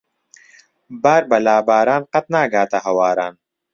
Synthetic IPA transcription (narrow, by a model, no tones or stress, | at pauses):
baːɾbɐlaːbaːɾaːnqɐt̪̚naːɡaːt̪ɐhɐwaːɾaːn